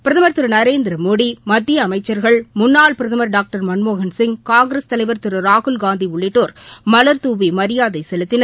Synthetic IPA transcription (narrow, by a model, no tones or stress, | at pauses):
pɪɾɐðɐmɐɾt̪ɪɾɯnɐɾeːnd̪ɪɾɐmoːɽimɐd̪ːɪjɐːmɐɪt͡ʃːɐɾɣɐɭmʊnːaːɭpɪɾɐðɐmɐɾɖaːk̚ʈɐɾmɐnmoːɣɐnsɪŋkaːŋɡɪɾɐst̪ɐlɐɪʋɐɾt̪ɪɾɯɾaːɣʊlɡaːnd̪iʊɭːɪʈːoːɾmɐlɐɾt̪uːʋimɐɾɪjaːðɐɪsɛlɯt̪ːɪnɐɾ